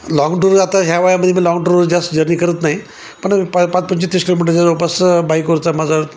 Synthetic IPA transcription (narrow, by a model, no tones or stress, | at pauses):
lɔ̃ŋɡʈuɾat̪aɦjaʋajaməd̪ʱjemiːlɔŋɡʈuɾd͡ʑasʈd͡ʑəɾniːkəɾət̪naɦi | pəɳppat͡spəɲt͡ɕit̪ːɾiskilomiʈəɾd͡ʑaɾopasbaikʋoɾt͡samad͡za